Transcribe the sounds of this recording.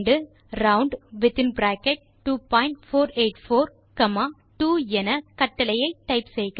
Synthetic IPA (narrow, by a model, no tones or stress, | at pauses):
ɖɯ | ɾɐʊɳɖʋɪt̪ɪ̃nbɾaːkɛʈ̚ | ʈːuːpãːɪɳʈfoːɾeːʈfoːɾ | kɐmaː | ʈuːɛnɐkɐʈːɐlɐjɐɪʈ̪ːɐɪpsɛjkː